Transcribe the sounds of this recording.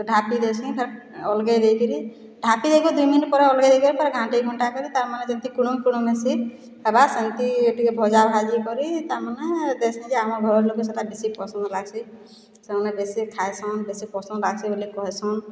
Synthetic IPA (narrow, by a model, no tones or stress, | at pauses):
t̪ɔɖʱapid̪et͡ʃʰĩpʰaɾ | ɔlɡed̪ejkiɾi | ɖʱapid̪ejkɔd̪ujminʈ̚pɔɾaɔlɡejd̪ekiɾipʰɔɾɡʱãʈeɡʱɔɳʈakɔɾit̪aɾmaned͡ʒənt̪ikuɽ̃umkuɽ̃umesi | abasənt̪ieʈikebʱɔd͡ʒabʱad͡ʒikɔɾit̪aɾmaned̪esʰĩd͡ʒeamɔɾbʱɔɾlokeseʈabisippːɔsɔ̃nd̪laɡsʰi | seɾmanebesikʰajsɔnbesipɔsɔnd̪laɡsʰibolikɔɦɛsʰɔn